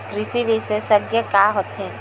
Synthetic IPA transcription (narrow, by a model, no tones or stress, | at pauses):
kɾɪsiʋisesəɡjəkaːɦot̪ɦɛ̃